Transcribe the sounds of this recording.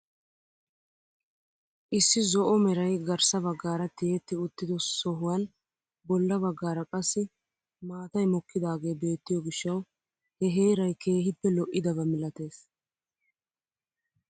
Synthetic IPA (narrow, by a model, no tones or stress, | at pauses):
ʔɪsːɪzɔʔɔmɛɾɐjɡɐɾsɐβɐɡːaːɾɐt̪ːɪjet̪ːɪʊt̪ːɪd̪ɔsɔɦʊwɐn | bɔlːɐbɐɡːaːɾɐkʼɐsːɪ | maːt̪ɐjmɔkːɪd̪aːɡe̞ːbe̞ːt̪ːɪjɔɡɪʃːɐw | hɛɦe̞ːɾɐjkʰe̞ːɦɪpːɛlɔʔːɪd̪ɐbɐmɪlɐt̪e̞ːs